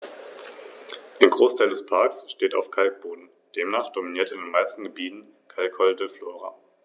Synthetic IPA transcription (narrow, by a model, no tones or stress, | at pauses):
ʔaːɡʁoːstʰaɪldɛspʰaɐksʃteːta̰ʊfkʰalk̚b̥oːdn̩ | d̥eːmnaːχd̥ominiːɐtɪndeːnmaɪstn̩ɡəbiːtn̩ | kʰalkhɔldəfloːʁa